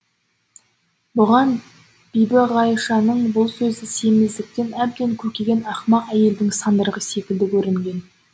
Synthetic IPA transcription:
bʊʁɑn | b̥ijbɪʁɑjʃɑnəɴbʊlˠsɵzɪse̞mɪzd̪ɪk̚t̪e̞næb̚d̪e̞ŋkʲʰɵɾkʲe̞ɡʲe̞nɑχmɑqæje̞ld̪ɪŋsɑnd̪əɾʁəse̞kʲɪld̪ɪkʲʰɵɾɪŋɡʲe̞n

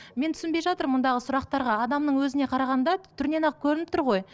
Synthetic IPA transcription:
me̞nt̪ʰʏ̥sɪnbe̞jʒɑt̪əɾmʊnd̪ɑʁəsʊɾɑq̚t̪ɑɾʁɑɑd̪ɑmnəɴwɵzɪne̞qʰɑɾɑʁɑnd̪ɑt̪ʰʏɾne̞nɑq̚kʲʰɵɾɪnɪp̚t̪ʰʊɾʁo̞j

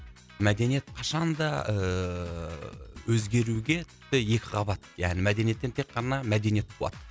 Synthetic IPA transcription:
mæd̪e̞nije̞t̪qʰɑʃɑnd̪ɑə | wɵzɡʲe̞ɾuɡʲe̞t̪ʰʏt̪ːɪje̞kʲɪʁɑbɑt̪jæ̰ʁnɪmæd̪e̞nije̞t̪ːet̪ʰekqɑnɑmæd̪e̞nije̞t̪̚bʰlˠɑ̰t̪

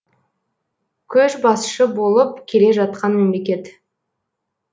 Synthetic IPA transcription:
kʲʰɵʒbɑsʃəbo̞lˠəp̚kʲʰe̞le̞ʒɑt̪̚qɑnme̞mle̞kʲe̞t̪

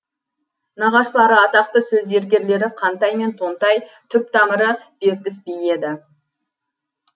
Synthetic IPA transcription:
nɑʁɑʃəlˠɑɾəɑt̪ɑq̚t̪əsɵze̞ɾɡʲe̞ɾle̞ɾɪqʰɑnt̪ɑjme̞nt̪ʰo̞nt̪ɑjt̪ʰʏp̚t̪ʰɑməɾəb̥e̞ɾk̪ʲɪsbije̞d̪ɪ

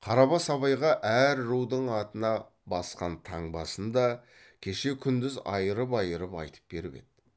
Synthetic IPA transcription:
qʰɑɾɑbɑsɑβɑjʁɑʔæɾɾuwd̪əɴɑt̪ənɑ | bɑsqɑnt̪ʰɑɴbɑsənd̪ɑ | kʲʰe̞ʃe̞kʲʰʏnd̪ɪzɑ̰jəɾəpɑjəɾəpɑ̰jt̪ʰə̥p̚be̞ɾɪpḛd̪̥̚ɪ

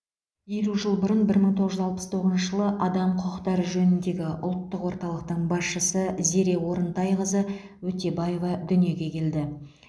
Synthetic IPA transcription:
jeluʒəlˠbʊɾənbɪɾməɴt̪ʰoʁəʒʏzɑlˠpə̥st̪ʰo̞ʁəznʃəʒəlˠəʔɑd̪ɑmqʰʊqəqt̪ɑɾəʒɵnɪnd̪e̞ɡʲɪʔʊlˠt̪ːəqwo̞ɾt̪ɑlˠəq̚t̪əɴbɑsʃəsəze̞ɾe̞wo̞ɾənt̪ɑjʁəzə | wɵt̪e̞bɑje̞vɑd̪ʏnije̞ɡʲe̞kʲʰe̞ld̪ɪ

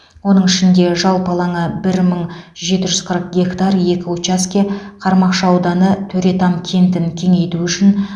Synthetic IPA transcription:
wo̞nəɴɪʃɪnd̪e̞ʒɑlˠpɑlˠɑɴəbɪɾməɴʒe̞t̪ɪʒʏz̥qʰəɾəq̚ɡʲe̞kt̪arje̞kʲɪot͡ʃaskʲe̞qʰɑɾmɑqʃɑɑwd̪ɑnət̪ʰɵɾe̞t̪ɑmkʲʰe̞nt̪ɪnkʲʰe̞ŋe̞jt̪uʏʃɪn

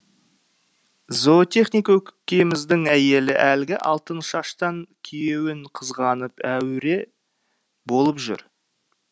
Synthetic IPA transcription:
zot̪e̞χnijkwɵkʲɪ̥kʲːemɪzd̪ɪŋæje̞lɪʔælɡʲɪʔɑ̰lˠt̪ənʃɑʃt̪ɑŋkʲʰijewɪɴqʰəzʁɑnəpæwɾe̞ | bo̞lˠəpʒʏ̰ɾ

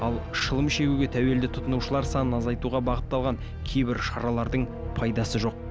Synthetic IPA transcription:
ɑlˠʃəlˠəmʃe̞ɡʲuɡʲe̞t̪ʰæwe̞ld̪ɪt̪ʰʊt̪ənuʃəlˠɑɾsɑnənɑzɑjt̪uʁɑbɑʁət̪ːɑlˠʁɑŋ | kʲʰe̞jbɪɾʃɑɾɑlˠɑɾd̪əɴ | pʰɑjd̪ɑsəʒo̞q̚

